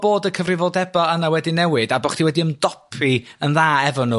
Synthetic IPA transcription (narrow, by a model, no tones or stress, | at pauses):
b̥oːdəkʰəvrɪvɔdɛbɔənawɛdinɛwɨdabɔχtiwɛdiəmdɔpʰiənðaːɛvɔnu